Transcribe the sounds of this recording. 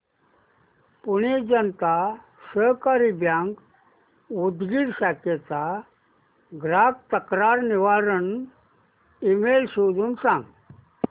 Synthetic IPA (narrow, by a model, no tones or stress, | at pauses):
punid͡ʑənt̪a | ɕəkaɾibjãŋɡ | ud̪ɡiːɽɕaket͡sa | ɡɾak̚t̪əkɾaɾniʋaɾən | imelsod̪uːnsãŋɡ